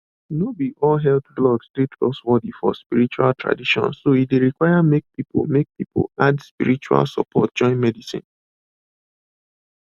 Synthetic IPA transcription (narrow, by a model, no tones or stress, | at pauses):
nobiʔɔlɦɛldɡlɔɡstetkɔ̰swɔdifɔ̰spiɾit͡ʃua̰ltʰɹa̰diʃɔ̰̃nsoideɾikwaɪamek̚pipo̰lmek̚pipo̰ladspḭɾit͡ʃua̰lsəpɔt̚d͡ʒɔ̃ɪ̃nmɛdisḭ̃n